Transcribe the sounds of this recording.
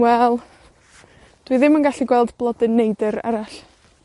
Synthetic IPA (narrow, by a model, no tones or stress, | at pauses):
wɛlˠ | d̥wiðɪmənɡaɬiɡwɛlˠdblˠɔdɪnːejdɨɾa̰ɾaɬ